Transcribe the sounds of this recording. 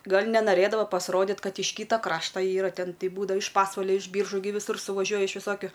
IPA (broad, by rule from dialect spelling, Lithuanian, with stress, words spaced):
ˈɡɐlʲ nʲɛnɐˈrɘdɐʋɐ pɐsˈroːdʲɪtʲ ˈkɐt ɪʃ ˈkʲiːtɐ ˈkrɑːʃtɐ ˈiːrɐ ˈtʲɛn ˈtʲɛɪ ˈbuːdʋɐ ɪʃ ˈpɑːsʋɐlʲɛ ɪʃ ˈbʲiːrʒuː ɡʲɪ ʋʲɪˈsʊr sʊʋɐˈʒʲuɔjɛ ɪʃ ʋʲɪˈsoːkʲʊ